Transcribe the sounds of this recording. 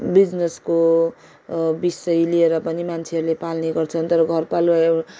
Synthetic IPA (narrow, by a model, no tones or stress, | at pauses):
bid͡znesko | bisʌjlieɾʌpʌnimant͡sʰeɦʌɾulepalneɡʌrt͡sʰʌnt̪ʌɾʌɡʱʌrpalwa